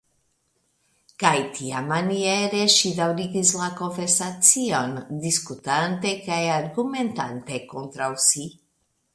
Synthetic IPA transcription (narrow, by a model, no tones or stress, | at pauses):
kajt̪ʰiamanieɾeʃid̪awɾiɡislako̞nfeɾsat͡sio̞nd̪iskut̪ant̪e̞kajaɾɡume̞nt̪ant̪e̞kont̪ɾawsi